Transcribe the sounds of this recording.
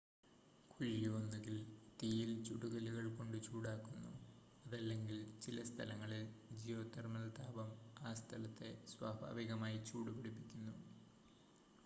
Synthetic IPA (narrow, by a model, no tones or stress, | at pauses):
kʰuɻijonːuɣilt̪ijilt͡ɕuɽuɣɐluɣɐɭko̞ɳɖɨt͡ɕuːɽaːkːunːu | ɐðɐlːe̞ŋɡilt͡ɕilɐst̪ʰɐlɐŋːɐɭild͡ʑijo̞ːt̪ɐrmɐlɐt̪aːbɐmaːst̪ʰɐlɐt̪ːe̞swaːbʱa̰ːʋiɣɐmaːjit͡ɕuːɽupeɽipːikʲːunːu